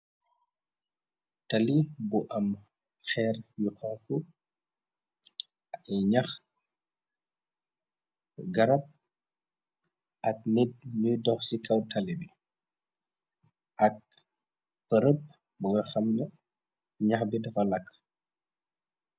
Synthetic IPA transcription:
tɐlibuʔɐm | xɛːrjuxɔlku | ɛɲɐx | ɡɐɾɐp̚ | ɐk̚nɛt̚ɲujdɔxsikɐwtʰɐlibi | ʔɐk̚ | pəɾəp̚ | buɡɐxɐmnə | ɲɐxbidɐfɐlɐkː

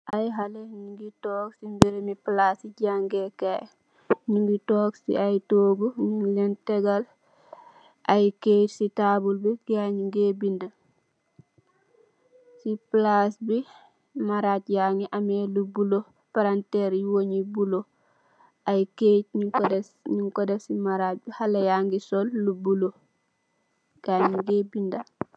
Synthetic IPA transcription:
ʔajɦaleɲiŋɡitoːksimbiɾemiplasiɟaŋɡekaj | ɲiŋɡitoːksḭajtoːɡuɲlenteɡal | ʔajketsitabulbiɡaɲiŋɡebində | siplasbi | maɾatjaːŋiʔamelubulo | paɾanteːɾjiwoɲibulo | ʔajket̚ɲukdsɲuŋkodasimaɾat̚bihalajaːŋɡisolːubulo | ɡ̥aːɲiŋɡeːbinda

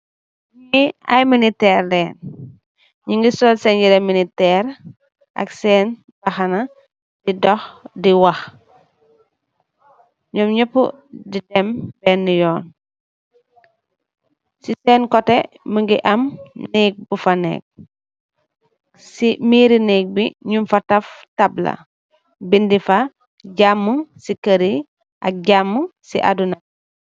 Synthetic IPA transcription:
ɲiɐ̰jminitɛːrdɛːn | ɲiŋɡisɔlsɛnɟiɾɛminitɛːɾ | ʔɐ̰ksɛːn | bɐxɐnɐ | didɔxdiwɐx | ɲɔmɲopːṵ | didɛmbɛːnːijɔːn | sisɛːnkɔte | məŋɡiʔɐmniːk̚bufanɛ̰ːk̚ | simiːɾinik̚biɲumfɐtɐftablɐ̰ | bindifa | ɟamːuŋsikəɾi | ʔɐ̰k̚ɟamːusḭʔadunɐ

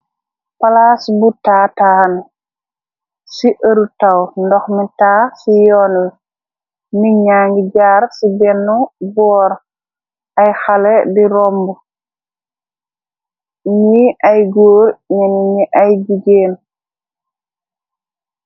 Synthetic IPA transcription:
palasbutaːtahan | siʔəɾutawndɔxmitaːsijɔːnal | niɲaːŋɡiɟaːɾsibɛnːɔbɔːɾ | ajxalɛdiɾɔmbu | niʔajɡoːɾɲɛniɲiʔajɡiɡeːn

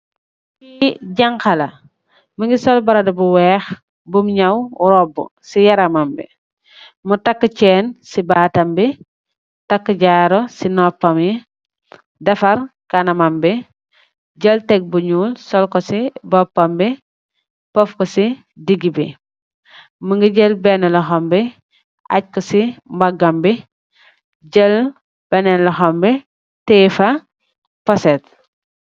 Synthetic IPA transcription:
iɟaŋkɐlɐ | mɐŋɡisɔlbɐɾɐdɐbuwɛːx | bumɲɐwuɾɔbːṵsijɐɾɐmambḭ | mutakːət͡ʃɛːnsibaːtɐmbi | takːəɟaɾɔsinɔpːɐmi | dɐfɐɾkanɐmambi | ɟəltɛɡ̚buɲuːlsɔlkɔsibɔpːambi | pɔfkɔsi | diɡibi | məŋɡiɟəlbenɐlɐɦɔmbi | a̰ɟ̚kɔsimbaɡɐmbi | ɟəl | b̥ɛnɛnlɐɦɔmbi | tefa | pɔset̚

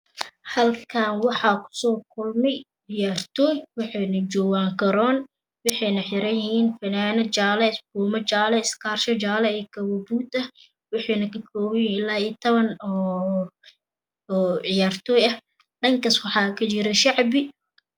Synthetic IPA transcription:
hɐlkʰaːnwɑħɑːkʰʊ̥sɔːkʰʊlmɛj | ʕɪjaːrt̪ʰɔːjwɑħɑːnɐt͡ʃɔːwaːŋkʰɐɾɔːn | wɑħɑjnɐħɪɾɐjɪhiːnfɐnaːnɐt͡ʃaːlɛsbuːmɐt͡ʃaːlɛɪskʰaːrʃɐt͡ʃaːlɛɛːkʰɐwɔbuːt̪ɐ | wɑħɑːnɐkʰɐkʰɔːwɐjnɪlaːit̪ʰɐβɐnɔː | ʕɪjaːrt̪ʰɔːjɐh | ɗɐŋkɐswɑħɑːkʰɐt͡ʃɪɾɛʃɑʕbɪ

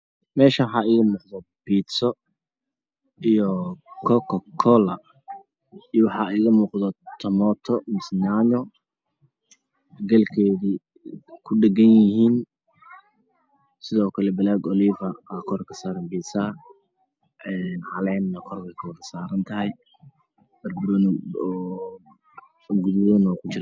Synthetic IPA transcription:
mɛːʃɐwħɑiːɣɐmuːqðɔb̥iːsɔ | ijɔkʰɔkʰɔkʰɔlɐ | ijɔwɑħɑːiːɣɐmuːqðɔt̪ʰɐmɔːt̪ʰɔmɪsnaɲɔ | ɡɐlkʰɛːði | kʰʊɖɐɡɐnjɪhiːn | sɪðɔːkʰɐlɛbɐlaːɡɔliːvɐkʰɔɾkʰɐ̥saːɾɐmbiːsa | ʔɛːnʕɑlɛːnːɐkʰɔrbɛjkʰɐwɐðɐsaːɾɐnt̪ʰɐɦɛj | b̥ɐrbʊɾɐnɔː | ɡʊðɐnɔːkʰʊt͡ʃɪɾ

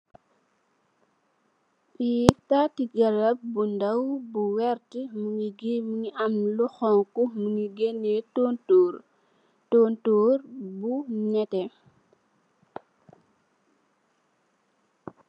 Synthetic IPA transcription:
ʔitatiɡɐlɐp̚bundɐwbuwɛɾtimuŋiɡimuŋiʔɐmluxɔŋkumuŋiɡenɛtɔntoːɾ | tɔːntoːɾbuɲɛtɛ

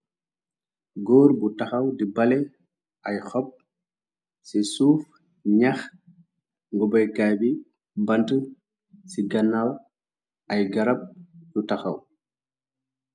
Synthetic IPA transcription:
ɡɔːɾbutɐxɐwdibɐlɛ | ʔɐjxɔp̚ | sisuːf | ɲax | ŋɡɔbɐjkaːbi | mbɐntu | siɡɐnːaw | ɐjɡɐɾɐp̚jutaxa̰w

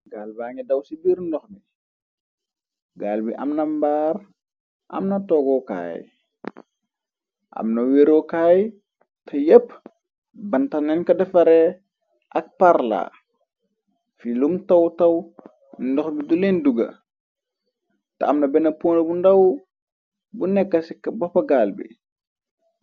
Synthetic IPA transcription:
ɡaːlbaːŋidɐwsibiɾndɔxni | ɡaːlbiʔɐ̰mnɐmbaːɾ | ʔɐ̰mnɐtɔːɡɔka̰ːj | ʔɐ̰mnɐweːɾɔkaːj | tɐjɛpː | bɐntɐnɛnkɐdɛfɐɾɛ | ʔak̚paɾla̰ | filumtawtɐw | ndɔxbidulenduɡɐ̰ | ta̰ːmnɐbɛnɐpunlabundaw | bunɛkːɐsikbɔpːaɡaːlbḭ

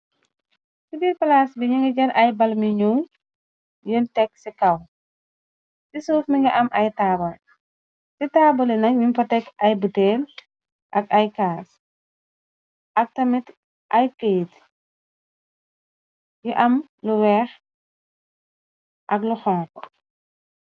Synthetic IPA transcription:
sibiːɾpɐlasbiɲuŋɡɐɟɐɾʔɐjbɐlmiɲuː | juntɛk̚sikɐw | sisuːfmiŋɡɐʔɐmʔɐjtaːbɔl | sitaːbɔlɛnɐk̚mimfɐtɛkɐjbutɛːl | ʔɐkɐjkaːs | ʔɐk̚tɐmit | ʔɐjkəjt | juʔɐm | luwɛːx | ʔɐkluxɔːŋk

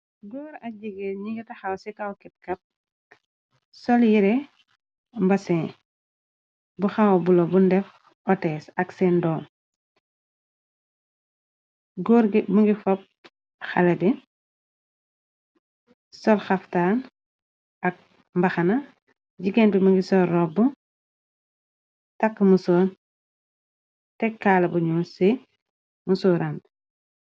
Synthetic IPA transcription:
ɡɔːɾɐɟiɡɛɲiitɐxawsikawkɛt̚kɐp̚ | sɔljiɾɛ | mbɐsɛ̃ | buxawbulɔbundɛf | ɔtɛsɐksɛndɔːm | ɡɔɾɡbuŋɡifɔp̚ | xalɐdi | sɔlxɐftan | ʔɐk̚ | mbɐxɐnɐ | ɟiɡɛntumuŋɡisɔɾɔbu | takːmuson | tɛkːaːlɐbuɲuːsi | musuːɾan

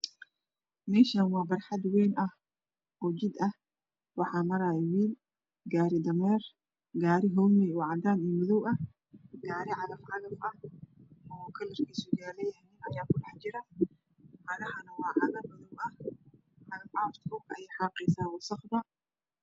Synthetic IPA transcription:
mɛːʃanwɑːbɐrħɑd̪wɛːnɐh | ɔːt͡ʃɪd̪ɐh | wɑħɑːmɐɾaːwiːl | ɡaːɾɪd̪ɐmɛːr | ɡaːɾɪɦɔwmɛwɑʕɑd̪aːniːmʊðɔwɐh | ɡaːɾɪʕɑlɐfʕɑlɐfɐh | ɔkʰɐlɐrkʰiːsʊɡaːlɛjɐhnɪnɐjaːkʊɗɑħt͡ʃɪɾɐ | ħɐlɐhɐnɐwɑːʕɐðɐmʊðʊwɐh | ħɑlɐfʕaːft̪kʰʊbɐ̰jɛjħɑːqɛsaːwɑsɑqd̪ɐ

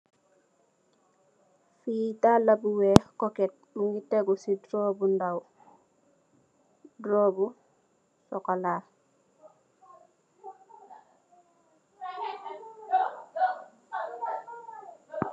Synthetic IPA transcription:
fitalabuwekoket̚muŋɡiteɡusidɾobundaw | dɾobu | sɔkalaː

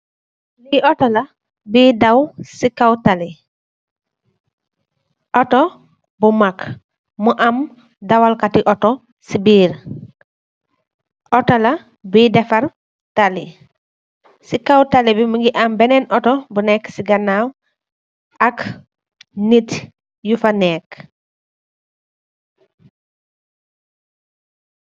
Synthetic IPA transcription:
liʔɔtola | bidawsikawtali | ʔɔtɔ | bumak | muʔam | dawalkatiʔɔtɔ | sibiːɾ | ʔɔtola | bidɛfaɾ | tali | sikawtalibimuŋɡiʔambɛnɛnʔɔtɔbunɛksiɡɐnaw | ʔak | nit | jufanɛk

